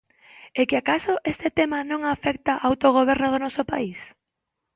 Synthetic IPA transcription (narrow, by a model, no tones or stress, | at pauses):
ekɪakasoʔest̪et̪emanõŋafɛkt̪aʔawt̪oɣ̞oβ̞ɛɾnoð̞onɔsopais